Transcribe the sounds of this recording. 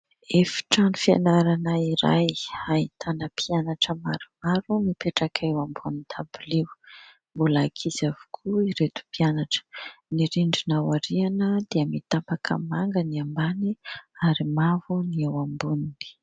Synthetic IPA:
efi̥ʈ͡ʂanufia̰naɾanaiɾa̰jait̪ʰanəpʰianaʈ͡ʂəmaɾumaɾumipeʈ͡ʂakʰewambunit̪ʰabulew | mbulakʰizavu̥kʰuiɾet̪u̥pianaʈ͡ʂə̥niɾiɳɖ͡ʐinawaɾianəd̪iəmit̪ampakʰə̰maŋɡəniambaniaɾimavuniewambunini̥

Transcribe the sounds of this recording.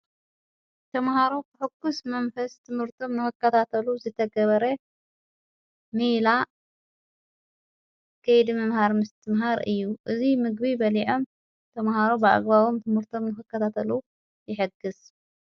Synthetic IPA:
t̪ʰɐmhaɾo̞kɨħɨɡːusmɐnfɐst̪ʰɨmhɨɾt̪ʰo̞mnɨxɨkʰːɐt̪ʰat̪ʰɐluzɨt̪ʰɐɡɐβɐɾɐ | mila | kʰːɐjd̪imɐmhaɾmɨst̪ʰɨmɦaɾʔɨjːuʔɨzimɨɡβibɐliʕo̞m | t̪ʰɐmhaɾobɨʔa̰ɡβaβo̞mt̪ʰɨmhɨɾt̪ʰo̞mnɨxɨkːɐt̪ʰat̪ʰɐlu | jɪħɨɡːɨs

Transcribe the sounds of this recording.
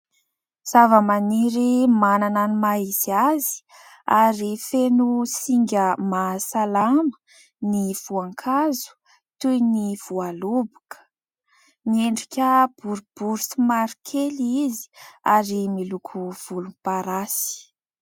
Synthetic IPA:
z̥avəmaniɾimanananimaiziazi̥ | aɾifenusiŋɡʲəmasalamə̥ | niv̥uaŋkʰazu̥ | t̪ujniv̥ualubukʰə̥ | nieɳɖ͡ʐikʲəb̥uɾub̥uɾusimaɾikʰelizi̥aɾimilukʰuv̥ulunpaɾasi̥

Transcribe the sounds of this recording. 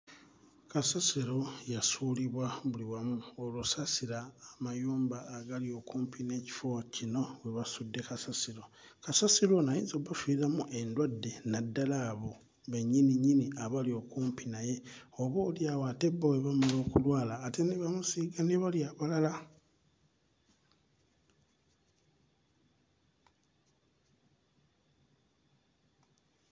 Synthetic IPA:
kasasiɾo̞jasuːliβwaβuliwamuolusasiɾaːmajuːmbaːɡalio̞kuːmpine̞ːci̥focino̞weβasudːe̞kasasiɾo̞ | kasasiɾo̞najḭːnzoβafiɾamuʔe̞ndwadːe̞nadːalaːβo̞ | βeɲːiniɲːiniaβalio̞kuːmpinaje̞oβoːljawate̞baweβamalo̞ːkulwaːlaːte̞niβamusiɡaniβaliaβalala

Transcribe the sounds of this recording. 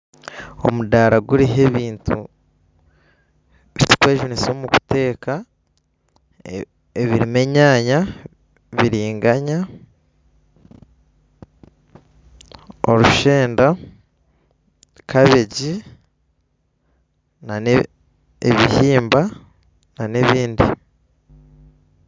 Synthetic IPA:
o̞̰mudaɾaɡuɾiɦe̞βiːntʰṵ | βiti̥kwe̞ːʒunisoːmuku̥te̞ːka | eβiɾime̞ɲaːɲa | βiɾiːŋɡaɲa | o̰ɾuʃeːnda | kaβeɟi | nan | eβihiːmba | naneβiːndḭ

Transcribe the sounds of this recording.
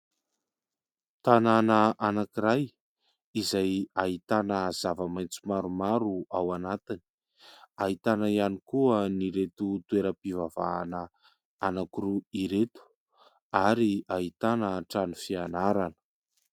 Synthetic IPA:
t̪ananəʔanakiɾaj | izajaɦit̪anəz̥avəmajnt͡sumaɾumaɾuawanat̪ini̥ | aɦit̪anaianikuəniɾet̪ut̪ueɾəpivava̰ːnə | anakuɾuiɾet̪u̥ | aɾiaɦit̪anəʈ͡ʂanufianaɾanə̥

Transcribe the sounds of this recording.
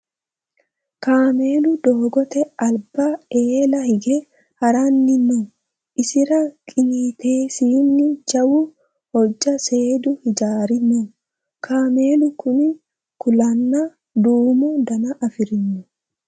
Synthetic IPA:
kaːmeːlʊd̪oːɡɔt̪ɛɐlbaeːlɐhɪɡɛ | hɐɾanːɪnːɔ | ʔɪsɪɾɐkʼɪɲiːt̪e̞ːsiːnːɪd͡ʒɐwʊ | hɔd͡ʒːɐse̞ːd̪ʊhɪd͡ʒaːɾɪnːɔ | kʰaːme̞ːlʊkʊmɪ | kʊlɐnːa | d̪uːmud̪ɐnɐʔɐfɪɾɪnːʊ

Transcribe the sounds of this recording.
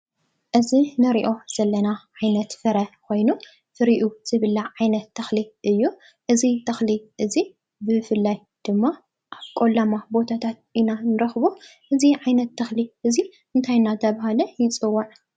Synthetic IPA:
ʔɨzinɨɾiʔo̞z̥ɐlːɐnaʕajnɐt̪fɨɾɐkʰo̞jnu | fɨɾiʔuz̥ɨβɨlːaʕajnɐt̪ʰːɐxliʔɨjːu | ʔɨzit̪ʰɐxliʔɨzi | bɨfɨlːaj | d̪̥ɨmːa | ʔaβkʼolamabo̞t̪ʰat̪ʰat̪̚inanɨɾɐxβoʔɨziʕajnɐt̪ʰːɐxliʔɨziʔɨnt̪ʰajnat̪ʰɐβaɦalɐjɪt͡sʼɨwːɐʕ

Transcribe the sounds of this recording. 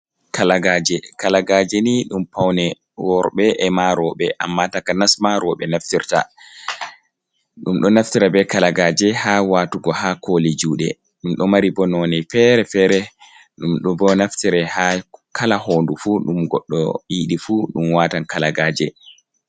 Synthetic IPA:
kalaɡaːd͡ʒɛkalaɡaːd͡ʒɛniɗumpawnɛ | wɔɾɓɛʔɛmaɾɔɓɛʔa̰mːatakanasmaɾɔɓɛnaftiɾta̰ | ɗumɗɔnaftiɾabɛkalaɡaːd͡ʒɛhawaːtuɡɔhakolid͡ʒuːɗɛ̰ | ɗumɗɔmaɾibɔnɔnɛjfɛɾɛfɛɾɛ | ɗumɗubɔnaftiɾɛhakʰalahoːndufuɗumɡɔɗːɔ̰iɗifuɗumwatankalaɡaːd͡ʒɛ

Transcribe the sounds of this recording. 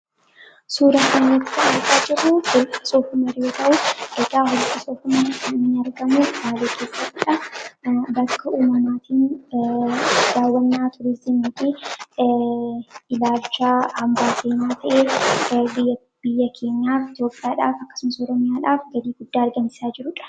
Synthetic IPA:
suːɾɐkɐnːɛt̪ːɪ̥t̪ɐɐɾɡaːd͡ʒɪrʊhɔlkʼɐ̥soːfʊmɐɾɪjoːt̪ɐʔʊʔɛkʼaːɦʊlkːɐsɔːfʊmɐkɐnɪnɐɾɡɐmubaːleːkʰe̞ːsːɐt̪ːɪᶑɐ | bɐkːɐʔuːmɐmaːt̪iːn | d̪aːwːɐnːaːt̪ʰʊɾɪsɪniːt̪i | ɪlaːlt͡ʃːahɐmbaːseːnaːt̪ʰɐʔeːb | b̥ɪjːɐkʰe̞ːɲjaːfɪt̪jo̞ːpʼːɪjaːᶑaːfɐkːɐ̥sʊmɐsɔːɾɔmɪjaːᶑaːfɡɐd̪iːɡʊd̪ːaːɐɾɡɐnsɪ̥saːd͡ʒɪɾʊᶑɐ̥

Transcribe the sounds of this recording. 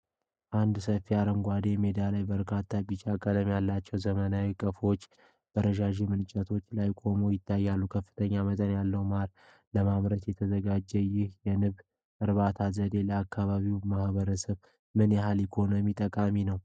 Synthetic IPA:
ʔand̪səfːiaɾəŋɡʷad̪emed̪alajbəɾkʰat̪ʰːabit͡ʃʼakʼələmjalːat͡ʃːɛwzəmənawikʼəfo̞t͡ʃː | b̥əɾəʃaʒemɨnt͡ʃʼət̪ʰo̞t͡ʃːlajkʼo̞mojɪt̪ʰːajːalːukʰəfːɨ̥t̪ʰəɲːamət̪ʼənjalːəwmaɾ | ləmaβɾət̪jɛt̪ʰəzəɡad͡ʒːɛjɪhjɛnɨβ | ʔɨɾβat̪ʰazəd̪e̞ləakʰːaβaβiwmahβəɾəsəβ | mɨnjɛɦalikʰo̞nomit̪ʼəkʼaminəw

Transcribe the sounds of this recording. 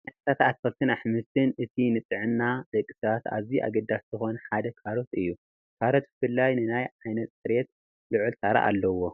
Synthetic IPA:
nɐssat̪at̪fɐlt̪ʰɨnaħmɨst̪ʰɨnʔɨt̪ʰinɨt̪ʼɨʕɨnːad̪̥ɐkʼːi̥sɐβat̪a̰βziʔa̰ɡɐd̪aszɨxo̞nɐħad̪ɐkʰaɾo̞t̪ɨjːu | kʰaɾo̞t̪̚bɨfɨlːajnɨnajʕajnɐt̪̚sʼɨɾet̪ | lɨʕult̪ʰaɾa̰ʔa̰lːɐwo̞

